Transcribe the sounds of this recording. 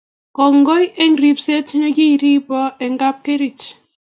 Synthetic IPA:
kɔ˨ŋ̩˨˦ɡo˦je˦ŋɾi˨pse˦tɲo˦ki˦˨ɾi˦bɔ˦e˨ŋ˦ɡa˦p̚ke˦ɾi˨t͡ʃ

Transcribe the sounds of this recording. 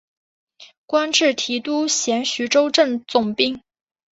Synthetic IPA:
kwa˥nʈ͡ʂɻ̩˥˩t̪ʰi˧˥t̪u˥ɕjɛ˧˥nɕy˧˥ʈ͡ʂo˥ʊʈ͡ʂə˥˩ŋt͡sʊ˨˩ŋpi˥˩ŋ

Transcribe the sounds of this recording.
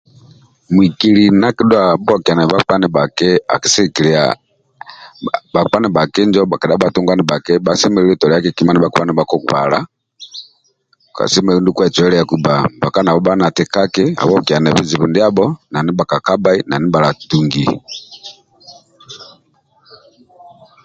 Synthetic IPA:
mwi˨ki˨li˨na˦ki˨˦dɔ˦a˨bɔ˦ki˨a˨nɛ˨ba˦k͡pa˦ni˨ba˨kɛ˦a̰˨ki̥˨sɛ˦˨ki˨li˨a̰ | ba˨k͡pa˦ni˨ba˨kɛ˦nd͡ʒɔ˦ba˨kɛ˨da˦ba˨tu˦ŋɡwa˦ni˨ba˨kɛ˦ba˨si˦mɛ˨ɾi˦li˦tɔ˨li˦a˦kɛ˦ki˨ma˦ni˦ba˦ka˦ni˨ba˨kɔ˦kba̰˨la̰˦ | ka̰˨si˦mɛ˨ɾu˦ndu˦ku˦ɛ˨t͡ʃwɛ˦lɛ˦a˨ku˨ba˨ba˨ka˦n˨a˨bɔ˦ba˦na˨tɛ˨ka˦kɛ˦a̰˨bɔ˦ki˨a˨nɛ˨βi˦zi˨βu˨ndi˦a˦bɔ˦na˨ni˦ba˨ka˨ka˦ba˦i˦na˨ni˦ba˨la˨tu˨ŋɡi˨

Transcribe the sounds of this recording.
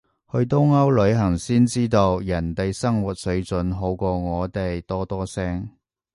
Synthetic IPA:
hɵ˧ɥt̪ʊ˥ŋɐ˥wlɵ˨˧˥ɥɦɐ˨˩ŋsiː˥nt͡siː˥t̪o˧wjɐ˨˩nt̪e˨jsɐ˥ŋwu˨˩t̚sɵ˨˥ɥt͡sɵ˨˥nɦo˨˥wkɔː˧ŋɔː˨˧t̪e˨jt̪ɔː˥t̪ɔː˥sɛː˥ŋ

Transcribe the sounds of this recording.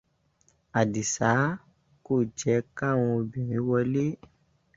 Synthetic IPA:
a˨di˨sa˨˦ | ko˦˨d͡ʒɛ˨˦ka˦˨w̃ɔ̃˧o˧bĩ˨ɾ̃ĩ˨˦wɔ˧le˦

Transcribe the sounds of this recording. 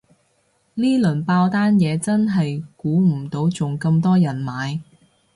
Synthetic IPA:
niː˥lɵ˨˩npaː˧wt̪aː˥njɛː˨˧t͡sɐ˥nɦɐ˨jkuː˨˥m̩˨˩t̪o˨˥wt͡sʊ˨ŋkɐ˧mt̪ɔː˥jɐ˨˩nmaː˨˥j

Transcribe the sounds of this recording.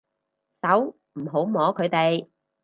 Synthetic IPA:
sɐ˨˥w | m̩˨˩ɦo˨˥wmɔː˨˥kʰɵ˨˧ɥt̪e˨j

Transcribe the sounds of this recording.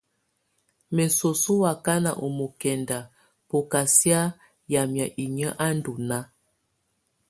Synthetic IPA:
me˨so˨su˦wa˨ka˦na̰˨ʔo˨mo˨kɛ˨nda˨ | po˨ka˨sja˦ | ja˨mja˨ʔi˨ɲə˦ʔa˦n˦du˨na˦

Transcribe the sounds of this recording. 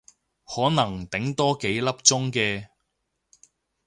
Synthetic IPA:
hɔː˨˥nɐ˨˩ŋt̪ɪ˨˥ŋt̪ɔː˥ke˨˥jlɐ˥p̚t͡sʊ˥ŋkɛː˧

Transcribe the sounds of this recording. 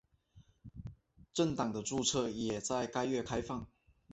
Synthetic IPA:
ʈ͡ʂə˥˩ŋt̪ɑ˨˩ŋd̪ə˦ʈ͡ʂu˥˧t͡sʰɤ˥˩jɛ˨˩t͡sa˥˩ɪka˥ɪɥɛ˥˩kʰa˥ɪfɑ˥˩ŋ

